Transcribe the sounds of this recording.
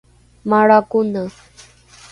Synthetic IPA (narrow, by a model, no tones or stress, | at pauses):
maɾakʊna